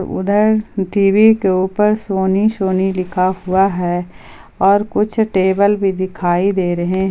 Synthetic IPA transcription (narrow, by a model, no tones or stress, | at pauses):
ɾʊ̰d̪ʱəɾʈiːʋikeuːpəɾsoːniʃoːnilɪkʰahʊaɦɛː | ɔːɾkʊt͡ʃʰʈeːbəlbʱid̪ɪkʰaːid̪eːɾɐɦeɦ